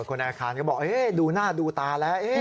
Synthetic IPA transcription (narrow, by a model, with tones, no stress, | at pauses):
kʰo˧nʔɛː˧kʰaː˧nka˦˥˩bɔː˨˩k̚ʔe˦˥duː˧naː˥˩duː˧t̪aː˧lɛ˦˥wʔe˦˥